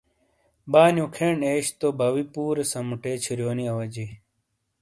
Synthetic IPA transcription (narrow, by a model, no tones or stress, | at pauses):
baːnjukʰeːɳeːɕt̪obɐwipuːɾesɐmuʈeːt͡ɕʰiɾjoːniɐwɐd͡ʑi